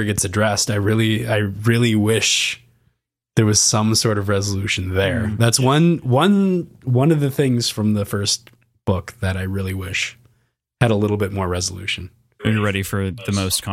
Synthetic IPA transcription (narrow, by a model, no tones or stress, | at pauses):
ɡɛtsɨdɹɛstaɪɹɪlˠiaɪɹɪlˠiwɪʃ | ðə˞wʌz̥sʌ̃msɔɹɾʌvɹɛzəlʉʃɨ̃n̩ðə˞ðætswʌ̃nwʌ̃nwʌ̃nʌvðɨθɪ̃ŋz̥fɹʌ̃mðəfɜ˞st | b̥ʊkðɨɾaɪɹɪlˠiwɪʃ | hɨɾəlɪɾl̩ˠbɪt̚mɔɹɹɛzəlʉ̰ʃɨ̃n̩ | ɨnjə˞ɹɛɾifə˞ðɨmoʊskʰɑ̃